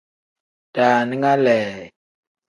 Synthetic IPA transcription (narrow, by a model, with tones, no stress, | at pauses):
taː˨ni˦ŋa˦lɛː˨